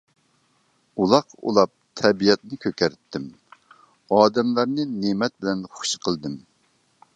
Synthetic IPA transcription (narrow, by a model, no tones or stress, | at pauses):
ulˠɑqṵlˠɑp̚t̪ʰɛbijɛt̪nɪkʲʰøkʲæɾt̪ʰːɪm | ɑːd̪ɛmlˠɑɾnɨnemɛt̪̚bɪlɛnχʊ̥ʃqʰəlˠd̪ɨm